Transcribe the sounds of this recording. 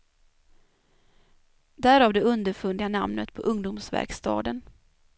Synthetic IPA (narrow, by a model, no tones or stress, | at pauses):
d̪æːɾɑːvd̪ɛɵnd̪əɾfɵnd̪ɪana̰mnət̪pʰɔʔɵŋd̪ʊmsvæ̰ɾkst̪ɑ̰ːd̪ən